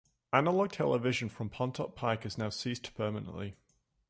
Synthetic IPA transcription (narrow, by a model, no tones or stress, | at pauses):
anəlɒɡ̚tʰɛ̰lɪvɪʒə̃nfɹə̃mpʰɒ̃ntʰɒʔ̚pʰaɪkəznaʊsiːˑspʰɜːmənə̰̃nʔlɪ